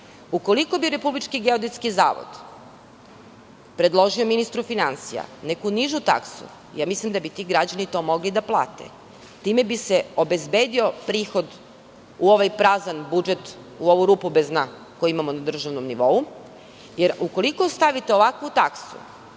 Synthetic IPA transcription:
uko̞liko̞biɾe̞publit͡ʃkiɡeod̪it̪skiza̰ːʋo̰d̪̥ | pɾe̞d̪lˠo̞ʒiominist̪ɾufinansija̰nekuniʒut̪a̰ksṵ | jaːmislimd̪abit̪iːɡɾad͡ʑanit̪o̞mo̞ɡlid̪aplˠa̰ːt̪ḛ | t̪imebiseobe̞zbeːd̪io̞pɾiːxo̞d̪ | uo̞ʋajpɾazanbud͡ʒet̪ | uo̞ʋuɾuːpubezna | kojiimamonad̪r̩ʒaʋnomniʋo̞u | jeɾuko̞liko̞st̪aʋit̪eo̞ʋakuut̪aksṵ

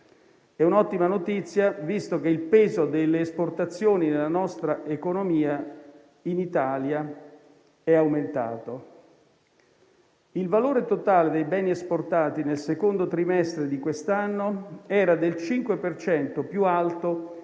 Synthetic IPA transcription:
ɛunɔt̪ːimanot̪it̪sːjavist̪ok̟eilpɛːzod̪elːeːsport̪at̪sːjoːninelanɔst̪ɾaʔekonomiːa | init̪alja | ɛawment̪a̰ːt̪o | ilvaloːɾet̪ot̪aːled̪ejbɛːniesport̪aːt̪inelsekond̪ot̪ɾimɛst̪ɾed̪ikwest̪anːoɛːɾad̪elt͡ʃiŋkwepert͡ʃɛnt̪opjualt̪o

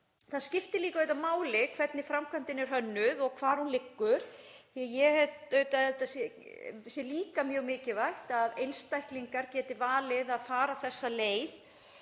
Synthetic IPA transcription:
θaðscɪft̪ɪliːkaœːɥt̪amaːwlɪkʰvɛt̪nɪfɾamkʰœm̥t̪ɪnːɪɾ̥ɦœnːʏðɔɣkʰvaːɾ̥hunlɪkːʏɾ̥ | θajɛhɛt̪œːɥt̪aɛt̪asɛ | sjɛliːkamjœːɣmɪːcɪvajht̪aðejnst̪ajhkliŋkaɾcɛːt̪ɪvaːlɪðaðfaːɾaθɛsːaleːjð

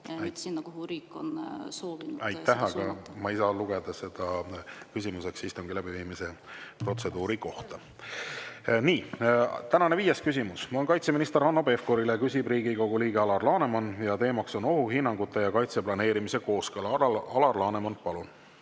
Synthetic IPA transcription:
t̪sinnɑkuhuɾiːkːˑonsoːviuæjt̪ːæɦɑɡɑmɑisɑluɡ̥e̞d̪̥ɑse̞d̪̥ɑkysimuse̞ksist̪uŋɡ̥ilæb̥iviːmise̞pro̞t̪se̞d̪̥uːɾiko̞ht̪ɑ | niːt̪ænɑne̞viːjeskys̬ʲimusmɑonkɑjt̪seminist̪eɾɑnːobe̞fko̞ɾilekysʲibriːɡiko̞ɡ̥uliːɡ̥eɑlɑrlɑːne̞mɑnjɑt̪e̞ːmɑkso̞no̞ɦuɦinːɑŋɡut̪ˑːe̞jɑkɑjt̪seplɑne̞ːɾimise̞ko̞ːskɤlɑɑlɑrlɑːne̞mɑnpɑlun

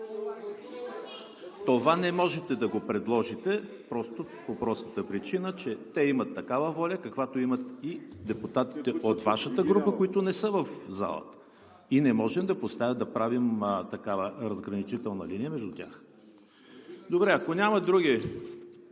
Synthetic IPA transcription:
t̪ovanɛmɔʒɛt̪ɛd̪ɐɡopɾɛd̪lˠɔʒit̪ɛpɾɔst̪o | popɾɔsnət̪əpɾit͡ʃinət͡ʃɛt̪ɛimət̪ːɐkavəvɔlʲɐkɐkvat̪oimət̪id̪ɛput̪at̪i̥t̪ɛʔot̪vaʃət̪əɡɾupəkoit̪ʊnɛsɤvɐfza̰lˠə̰t̪ə̥ | inɛmɔʒɛmd̪ɐpost̪avʲəd̪ɐpɾavimt̪ɐkavəɾɐzɡɾɐnit͡ʃit̪ɛlˠnəliniɛmɛʒd̪ʊt̪ʲa̰x | d̪obɾɛɐkonʲaməd̪ɾuɡʲi

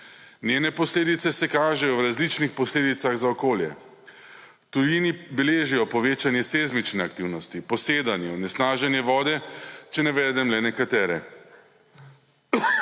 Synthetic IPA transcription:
nʲjenɛpɔsleːd̪it̪sɛsɛkaːʒɛjɔwɾazlit͡ʃnixpɔsleːd̪it̪saɣzaɔkoːljɛ̰ | t̪ujinibɛleːʒijɔpɔʋeːt͡ʃanjɛsezmit͡ʃnɛak̚t̪iwnɔst̪ipɔseːd̪anjɛɔnɛsnaːʒɛnjɛʋɔːd̪ɛt͡ʃɛnɛʋɛːd̪ɛmlɛnɛkat̪ɛːɾɛ

